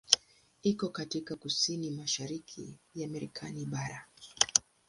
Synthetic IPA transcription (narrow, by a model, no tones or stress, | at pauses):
ikɔkatikakusinimaʃaɾikʰḭjamaɾɛkʰaniɓaɾa